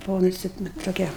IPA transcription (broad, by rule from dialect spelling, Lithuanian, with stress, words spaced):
bʊˈʋɐʊ nʊˈsʲɪ ˈnʊ toːˈkʲɛ